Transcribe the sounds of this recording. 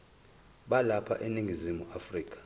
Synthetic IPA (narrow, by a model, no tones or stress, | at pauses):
ɓalapʰa̰ʔeniŋɡʱizimuafriːkʰʼḁ